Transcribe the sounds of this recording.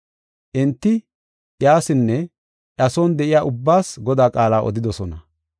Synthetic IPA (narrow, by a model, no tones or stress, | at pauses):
ʔɪnt̪ːɪ | ʔjaːsɪnːɛ | ʔɐsɔːnd̪ɛʔɪjaːʔʊbːaːsɡɔd̪aːkʼaːlaːʔɔ̰d̪ɪd̪ɔsɔnɐ